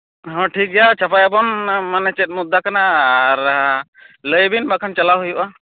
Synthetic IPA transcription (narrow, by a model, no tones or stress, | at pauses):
ɦɔ̃ʈʰik̚ˀɡɛjat͡ʃapajabɔnmanɛt͡ʃɛt̪̚mud̪ːakanaːɾ | ləjbinbakʰant͡ʃalawɦujuʔa